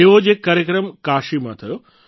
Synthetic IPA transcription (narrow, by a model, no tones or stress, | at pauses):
eʋod͡ʒekːaːɾjəkɾəmkaʃimãt̪ʰəjo